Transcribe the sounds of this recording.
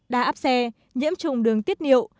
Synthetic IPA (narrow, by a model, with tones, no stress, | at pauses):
ɗa̰ː˧ʔaː˦˥p̚sɛ˧ | ɲḭ˧˥əmt͡ɕʊ˨˩ŋ͡mɗɨ˨˩əŋt̪i˦˥ət̚nḭ˧˨əw